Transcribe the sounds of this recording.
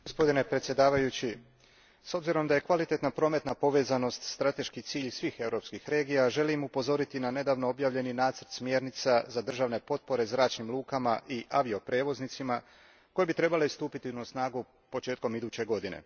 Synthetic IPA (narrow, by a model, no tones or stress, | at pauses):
ɡospo̞d̪ine̞pɾet̪sje̞d̪aːʋajut͡ɕi | so̞bziɾo̞md̪aje̞kʋalit̪e̞t̪napɾo̞ːme̞t̪napo̞ʋe̞ːzano̞st̪st̪ɾat̪e̞ʃkit̪siːʎsʋiːxe̞wɾo̞ːpskixɾe̞ːɡijaʒe̞limupo̞zo̞ɾit̪inane̞d̪aːʋnoobjaːʋʎe̞ninaːt̪səɾt̪smje̞ːɾnit̪sazad̪r̩ʒaʋne̞po̞t̪̚po̞ɾe̞zɾaːt͡ʃnimlˠuːkamaʔiʔaʋio̞pɾe̞ːʋo̞znit̪sima | ko̞jebit̪ɾe̞balest̪uːpit̪inusnaːɡu | po̞t͡ʃeːt̪ko̞mid̪uːt͡ɕe̞ɡo̞d̪inḛ